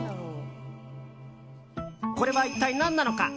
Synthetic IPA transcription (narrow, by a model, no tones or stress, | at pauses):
ko̞ɾe̞βait̪ːainãnːano̞ka